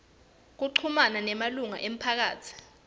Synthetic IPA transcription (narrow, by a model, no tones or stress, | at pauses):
k̬uǃʰumananɛmaluŋa̰ʔem̩pʰak̬aːt͡sʰi̥